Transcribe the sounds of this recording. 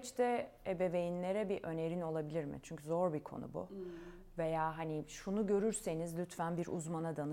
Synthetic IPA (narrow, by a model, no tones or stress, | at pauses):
t͡ʃt̪ʰɛebe̞ve̞jinlʲe̞ɾɛbiʔø̞ne̞ɾino̞lˠabilʲiɾmɪ̰t͡ʃʰyɲcʰyzo̞ɾbikʰo̞̰nṵbṵ | ve̞jaːɦaniʃunuɟø̞ɾyɾse̞nizlʲyt̪fænbiɾʔṵzmanad̪anɯ